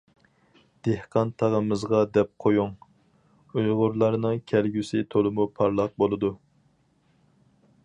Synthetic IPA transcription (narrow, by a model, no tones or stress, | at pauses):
d̪̥ehqʰɑnt̪ʰɑʁəmɨzʁɑd̪ɛp̚qʰojuŋ | ujʁʊɾlˠɑɾnɨŋkʲʰɛlɡʲysɪt̪ʰolˠɨmupʰɑɾlˠɑq̚bolˠɨd̪u